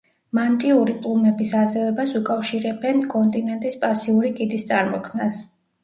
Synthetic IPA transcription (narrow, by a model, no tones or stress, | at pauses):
mant̪ʼiuɾipʼlˠumɛbisazɛvɛbasukʼafʃiɾɛbɛnkʼɔnt̪ʼinɛnt̪ʼispʼasiuɾikʼid̪ist̪sʼaɾmɔkʰmnas